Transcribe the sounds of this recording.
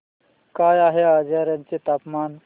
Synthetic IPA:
kaːjaːɦeaːd͡ʒeɾɐnt͡ʃit̪aːpmaːn

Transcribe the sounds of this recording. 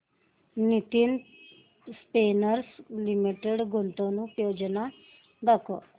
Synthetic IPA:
nit̪in | spenəɾslimiʈeɽɡʱont̪onũpjod͡ʑna | ɡəkɔ

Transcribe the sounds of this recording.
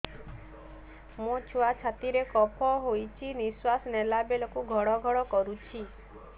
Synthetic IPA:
mũt͡ʃʰuat͡ʃʰat̪iɾekɔpʰɔɦojt͡ʃʰiniswasnelabelɔkuɡʱɔɽɔɡʱɔɽɔkɔɾut͡ʃʰi

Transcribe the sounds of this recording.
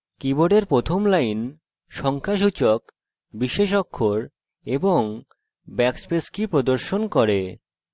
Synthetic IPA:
kiboɖeɾpɾot̪ʰomlajn | ʃɔŋkʰaʃ̬ut͡ɕok | biʃeʃ̬ɔkʰːoɾ | eboŋ | bɛkspeskipɾod̪oɾʃonkɔɾe

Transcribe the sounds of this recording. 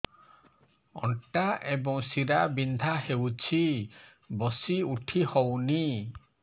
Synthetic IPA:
ɔ̰ɳʈaʔebɔŋsiɾabind̪ʱahewt͡ʃʰi | bɔsiuʈʰihowni

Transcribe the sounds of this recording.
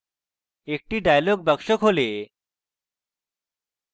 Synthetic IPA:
ek̚ʈiɖajloɡ̚bʌkʃokɦole

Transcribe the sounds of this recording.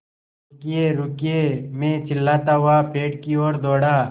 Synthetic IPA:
kɪjeːɾʊkijemẽːt͡ʃʰɪlːaːt̪aːɦʊaːpʰeːʈkioːɾd̪oːɽaː

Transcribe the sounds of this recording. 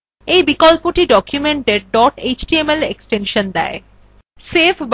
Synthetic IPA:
ejbikolpoʈiɖɔkʰjumeɳʈeɾɖɔʈet͡ɕʈiemelḛksʈenʃond̪ɛ̰e | sepʰb

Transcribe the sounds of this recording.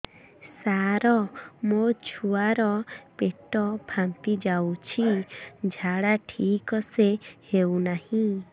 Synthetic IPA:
saɾɔmot͡ʃʰuaɾɔpeʈɔbʱampid͡ʒawt͡ʃʰid͡ʒʱaɽaʈʰiːkɔsehewnahĩ

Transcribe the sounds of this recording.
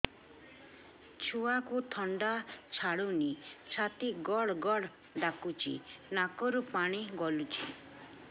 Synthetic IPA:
t͡ʃʰuakut̪ʰɔɳɖat͡ʃʰaɽunisat̪iɡɔɽɡɔɽ | ɖakut͡ʃʰḭnakɔɾupaɽ̃iɡɔlut͡ʃʰi

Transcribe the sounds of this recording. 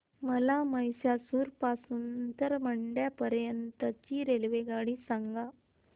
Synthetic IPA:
məlaməjsjasuːɾpasuːnt̪əɾməɳɖjapəɾjənt̪ət͡ɕiːɾelʋeɡaɽiːsaŋɡa

